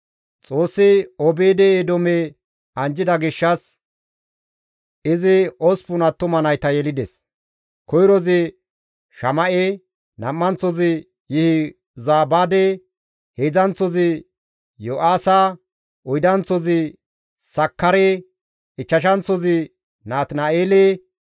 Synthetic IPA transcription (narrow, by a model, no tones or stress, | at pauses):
t͡sʼoːsːɪɔbeːd̪ɛed̪ɔme | ɐnd͡ʒɪd̪ɐɡɪʃːɐs | ɪzɪɔspʊnɐt̪ːʊmɐnɐjt̪ɐjɛlɪd̪ɛs | kɔjɾɔzɪ | ʃɐmɐʔe | nɐmːɐnt͡sːɔzɪ | jɪhɪ | zaːbaːd̪e | heːd͡zɐnt͡sːɔzɪ | joʔaːsɐ | ʔɔjd̪ɐnt͡sɔzɪ | sɐkːɐɾe | ɪt͡ʃːɐʃ̬ɐnt͡sːɔzɪ | naːt̪naːeːle